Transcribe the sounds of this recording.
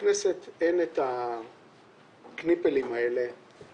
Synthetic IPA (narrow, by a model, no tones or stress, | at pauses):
neset̪enet̪a | knipelimaele̞